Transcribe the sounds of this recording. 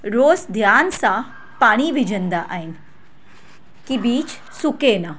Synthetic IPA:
ɾoːsd̪ʱjaːnsã | paːɽ̃iʋid͡ʒənd̪aʔaːin | kibiːt͡ʃ | sukena

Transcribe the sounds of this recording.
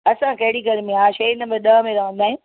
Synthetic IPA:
ɐsãkɐɦɪɽiɡɐɾmẽaːʃɐinəbeɗ̪ɐɦmẽɾaʋ̤ə̃ːn̆d̪aːɦɪ̃

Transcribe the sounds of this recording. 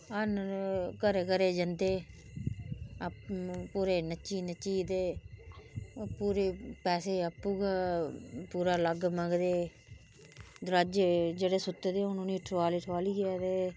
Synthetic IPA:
ənkəɾeːkəɾeːd͡ʒənd̪eː | puːɾeːnət͡ʃiːnət͡ʃiːd̪eː | puːɾeːpɛːseːəpːuːɡaːpuːɾaːləɡməɡd̪eː | d̪ɾad͡ʒed͡ʒeːɽeːsʊt̪ːed̪eːʊnũːniːʈʰːʋaːlɪːʈʰaːliːɡɛːd̪eː

